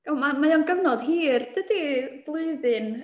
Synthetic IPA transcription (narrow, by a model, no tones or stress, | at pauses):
ɡ̥amamajɔnɡəwnɔd̥ɦiːrd̥əd̥ib̥lˠʊɨðɨn